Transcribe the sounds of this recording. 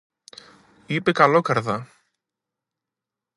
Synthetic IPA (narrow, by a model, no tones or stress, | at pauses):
ipekɐlokɐɾðɐ